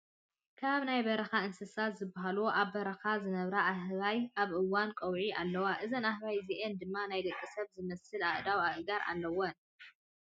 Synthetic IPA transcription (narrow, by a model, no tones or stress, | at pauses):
kʰaβnajbɐɾɐxaɨnsɨsat̪zɨbːaɦaloʔaβbɐɾɐxazɨnɐβɾɐʔahβajʔaβʔɨwːankʼɐwʕiʔalːɐwaʔɨzɐnahβajziʔend̪ɨmːanajd̪ɐkʼːisɐβzɨmɐsɨlaʔd̪awaʔɨɡaɾʔa̰lːɐwɐn